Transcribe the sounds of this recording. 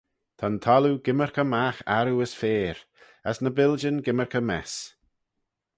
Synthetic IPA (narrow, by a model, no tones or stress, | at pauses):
t̪ʰant̪ʰɔluɡɪməɹkʰəmaxa̰ɾuəsfeːɾ | asnəbɪld͡ʒənɡɪməɹkʰəmɛs